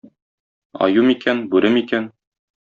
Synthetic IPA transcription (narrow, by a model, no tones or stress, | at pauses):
ɒ̰jumikænbʉɾɘmikæn